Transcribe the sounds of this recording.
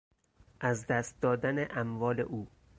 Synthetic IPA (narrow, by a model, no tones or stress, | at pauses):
ʔæzd̪æst̪̚d̪ɒːd̪æneʔæmvɒːlḛʔuː